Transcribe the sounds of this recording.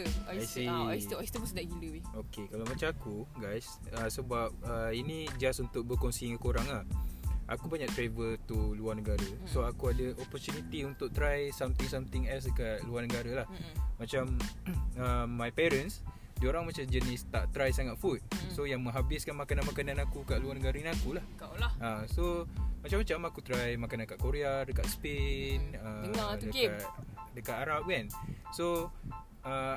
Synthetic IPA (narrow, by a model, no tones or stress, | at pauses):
ajsitjst̪əmasdaʔiluiokekalawmat͡ʃamakuɡajs | əsəbap̚əinĩd͡ʒasunt̪ʊk̚bəkonsiŋakoɾaŋlahʔa̰kubaɲak̚t̪ɾevət̪uluarnəɡaɾə | soakuadəʔopɔrt͡ʃunit̪iunt̪ʊk̚t̪ɾajsamt̪iŋsamt̪ɪŋɛls̬dəkat̪̚luarnəɡaɾəlahmat͡ʃam | əːajpɛɾəns | dioɾaŋmat͡ʃamd͡ʒənɪst̪aʔt̪ɾajsaŋat̪̚fut̪̚sojaŋmə̃ŋɦabɪskanmakananmakanãnakukaʔluarnəɡaɾəinakulahkaasomat͡ʃamːat͡ʃamakut̪ɾajmakanakaʔkoɾeadəkaʔ̪spenədəadəkat̪aɾap̚ɡanso | ə